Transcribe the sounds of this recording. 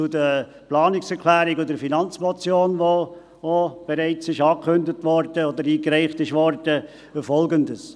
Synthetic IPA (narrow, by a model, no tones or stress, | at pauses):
t͡sudə | plɑːnɪksɛkʰlæːɾiɡɔdəfinɑnt͡smɔt͡sjoːnʋo | ob̥ɛɾɛɪt͡sɪʃɑːkʰɵndətʋɔɾd̥əodəɾiːkɾɛɪχtɪʃʋɔɾd̥ə | əfɔlɡəndəs